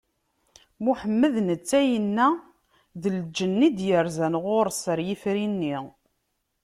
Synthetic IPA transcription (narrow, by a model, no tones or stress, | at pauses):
muħəmːəðnət͡sːæjənːæ | ðəld͡ʒənːid̪jəɾzænʁʊɾsəɾjifɾinːi